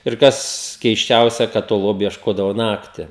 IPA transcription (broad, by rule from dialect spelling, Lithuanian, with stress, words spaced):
ɪr ˈkɐs kʲɛɪsʲˈt͡ʃʲɛʊsʲɛ kɐt toː ˈlˠoːbʲʊ iɛʃˈkoːdɐʋoː ˈnɑːktʲɪ